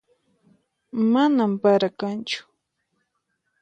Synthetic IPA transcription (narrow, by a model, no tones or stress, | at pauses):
manampaɾakant͡ʃʊ̥